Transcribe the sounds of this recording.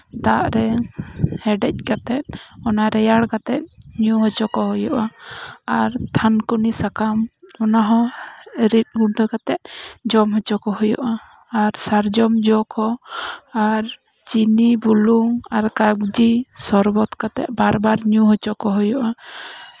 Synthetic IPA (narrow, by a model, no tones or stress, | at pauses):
d̪aʔɾɛ | hɛɖɛc̚kat̪ɛt̪̚ˀɔnaɾɛjaɽkat̪ɛt̪̚ɲuɦɔt͡ʃɔkɔɦɔjɔʔaaɾt̪ʰankunisakamɔnaɦɔ̃ɾit̪̚ɡuɖəkat̪ɛt̪̚ˀd͡ʒɔmɦɔt͡ʃɔkɔɦɔjɔ̰ʔaː | ɾsaɾd͡ʒɔmd͡ʒɔkʰɔ | aɾ | t͡ʃinibuluŋaɾkaɡd͡ʒisɔɾbɔt̪kat̪ɛ̰t̪̚ˀbaɾbaɾɲuɦɔt͡ʃɔkɔɦɔjɔʔa